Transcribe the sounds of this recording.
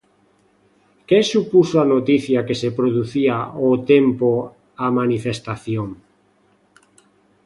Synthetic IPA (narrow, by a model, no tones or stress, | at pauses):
kesupusoanot̪iθjakesepɾoðuθiaot̪empo | amanifest̪aθjoŋ